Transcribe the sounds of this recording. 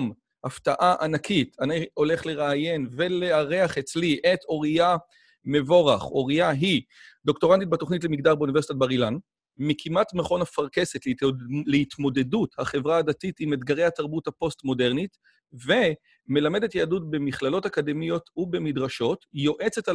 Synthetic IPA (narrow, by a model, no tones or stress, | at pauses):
m | haftaʔaʔanakʰitanijo̞le̞χle̞ʁaːje̞nve̞leaʁeaχe̞t͡sliʔe̞to̞ʁia | me̞vo̞ʁaχo̞ʁijaɦido̞kto̞ʁantit̚bato̞χnit̬lemiɡdaʁbeunivesitatbaʁilan | mikʰimatmeχo̞nafaʁke̞se̞tlleitmo̞de̞duthaχe̞vʁaːdatitimedɡaʁe̞jhataʁbuthapo̞stmo̞de̞ʁnit | ve̞ | me̞lame̞de̞tjaːdutbe̞miχlalo̞takade̞mijo̞tube̞midʁaʃo̞tjo̞ʔet͡se̞ta